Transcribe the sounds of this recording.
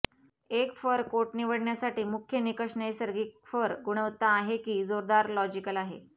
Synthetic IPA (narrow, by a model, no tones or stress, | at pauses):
ekfəɾkoʈniʋəɽɳjasaʈiːmukʰjənikəʂɳəisəɾɡiːk̚fəɾɡuɽ̃əʋt̪aːɦekiːd͡zoɾd̪aɾlɔd͡ʑikəlaɦḛ